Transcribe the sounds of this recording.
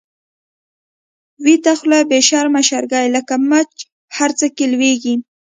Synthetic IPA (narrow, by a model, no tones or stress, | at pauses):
wit̪axlabeʃɑɾmaʃaɾɡɑjləkamat͡ʃ | haɾt͡səkelweɡi